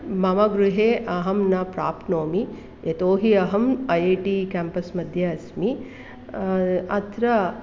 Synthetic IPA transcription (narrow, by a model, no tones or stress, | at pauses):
mɐmɐɡɾuɦeːʔɐɦɐmnɐpɾaːpnoːmi | jɐt̪oːɦiɐɦɐmɐjeːʈiːkaːmpɐsmɐd̪ʱjɐɐsmi | ɐt̪ɾɐ